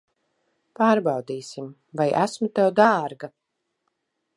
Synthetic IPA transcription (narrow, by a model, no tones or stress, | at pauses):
paːɾbɑwd̪iːsim | vajʔæsmut̪ɛwd̪aːɾɡa